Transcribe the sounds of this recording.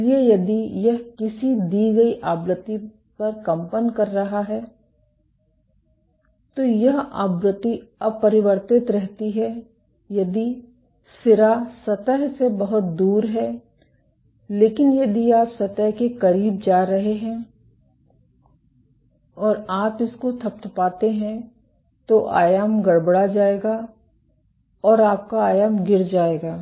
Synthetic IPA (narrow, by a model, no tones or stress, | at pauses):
liejɐd̪ijɐɦkɪsid̪iːɡɐiʔaːbɾət̪i | pɐɾkɐ̃mpənkɐɾːɐɦaɦɛː | t̪oːjɐɦa̰ːbɾʊt̪iɐb̚pɐɾɪʋəɾt̪ɪt̪ɾɛɦt̪iɦɛ | jɐd̪i | sɪɾasɐt̪əɦsebɐɦʊt̪̚d̪uːɾɦɛː | leːkɪnjɐd̪iaːpsɐt̪əɦkekɐɾiːb̚d͡ʒaːɾɐɦeɦɛ̃ː | ɔːɾaːpɪskot̪ʰɐp̚t̪ʰpaːt̪eɦɛ̃ | t̪oʔa̰ːjaːmɡɐɽbəɽad͡ʒaːeːɡaː | ɔːɾaːp̚kaaːjaːmɡɪɾd͡ʒaːeːɡaː